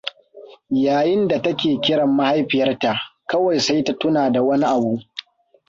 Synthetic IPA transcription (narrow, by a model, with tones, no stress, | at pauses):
jaː˨jɪ˦nda˨tɐ˦kʲeː˨kʲɪ˦ɽɐ˨mːa˦ha˦jɸɪ˨jɐ˦rta˨ʔkɐ˦wɐ˨jsa˦jta˦tʊ˦naː˨da˨wɐ˦ni˦ʔa˨buː˦ʔ